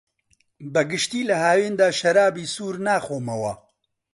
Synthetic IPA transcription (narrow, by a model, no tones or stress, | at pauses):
bəɡɨʃt̪iːlɐɦaːweːnd̪aːʃɐɾaːbiːsuːɾnaːxoːmɐwɐ̰